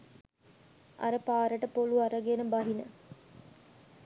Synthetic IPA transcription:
ɐ̰ɾəpaːɾəʈəpoluaɾəɡenəbaɦinə

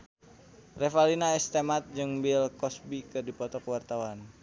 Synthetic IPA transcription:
rɛfalinaɛst̪emat̪̚d͡ʒɨŋbilkɔsbikɨrdipɔt̪ɔkəwart̪awan

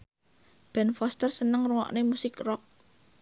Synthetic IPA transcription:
b̥ɛnfɔst̪ərsənəŋruwɔ̰ʔnemusɪkrɔk̚

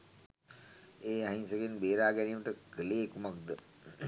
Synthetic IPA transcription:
eːaɦinsəkenbeːɾaːɡɛniːməʈəkəleːkumak̚d̪ə

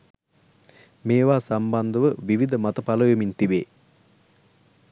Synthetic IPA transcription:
meːʋaːsamband̪əʋəʋiʋid̪əmat̪əpaləjomint̪ibeː

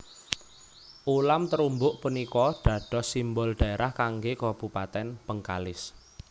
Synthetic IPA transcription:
ʔulamt̪əɾumbʊʔpənikɔɖ̥ä̤ɖ̥ɔ̤simbɔlɖ̥a̤eɾʔahkaŋɡekɔb̥upat̪ɛnb̥əŋkalɪs

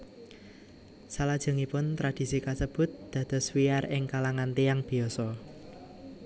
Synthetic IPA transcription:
salad̥ʒ̥ɔ̤ŋipʊnt̪ɾad̥i̤sikasəb̥ʊ̤t̪̚d̪̥ä̤d̪̥ɔ̤swiarɪŋkalaŋant̪ijaŋb̥i̤ɔsɔ

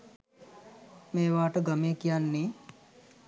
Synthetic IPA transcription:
meːʋaːʈəɡameːkijanːe

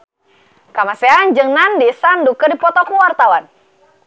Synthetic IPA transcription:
kamaseand͡ʒɨŋnandisandukədipɔt̪ɔkuwart̪awan

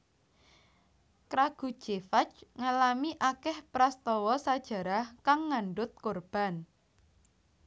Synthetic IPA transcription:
kɾaɡ̥ṳd̥ʒ̥efat͡ʃŋalamiʔakɛhpɾast̪ɔwɔsad̥ʒ̥ä̤ɾahkaŋːanɖʊt̪̚korb̥a̤n

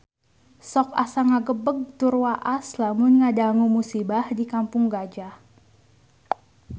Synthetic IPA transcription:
sɔka̰saŋaɡəbəɡ̚t̪urwaʔaslamʊnŋadaŋumusibahdikampʊŋɡad͡ʒah

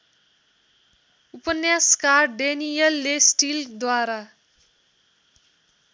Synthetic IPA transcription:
upʌnjaskarɖenijʌlːesʈild̪waɾa

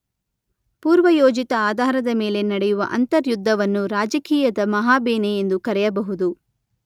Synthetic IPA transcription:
puːɾʋɐjoːd͡ʒit̪ɐaːd̪ʱaːɾɐd̪ɐme̞ːle̞nɐɽɛjuʋɐ̰ʔɐ̰nt̪ɐɾjud̪ʱːɐʋɐnːuɾaːd͡ʒɐkiːjɐd̪ɐmɐɦaːbeːneend̪ukɐɾɛjɐbɐɦud̪u

